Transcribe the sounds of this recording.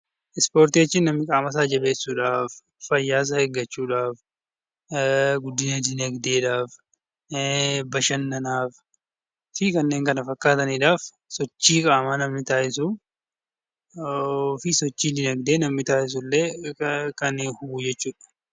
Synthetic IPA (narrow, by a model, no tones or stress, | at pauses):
ʔɪspo̞ːɾt̪iɛt͡ʃːɪnɐmːɪkʼaːmɐs̬aːd͡ʒɐbe̞ːsːuːᶑaːf | fɐjːaːs̬ɐheɡːɐt͡ʃːuːᶑaːf | ɡʊd̪ːɪnɐd̪ɪnɐɡd̪eːᶑaːf | bɐʃɐnːɐnaːf | fɪkɐnːeːŋkɐnɐfɐkːaːt̪ɐniːᶑaːf | sɔt͡ʃːiːkʼaːmanɐmːɪt̪aːʔɪsʊ | fɪsɔt͡ʃːiːdɪnɐɡd̪eːnɐmːɪt̪aːʔɪs̬ʊlːeːkɐnːhʊɡuːd͡ʒɛt͡ʃːuːᶑɐ̥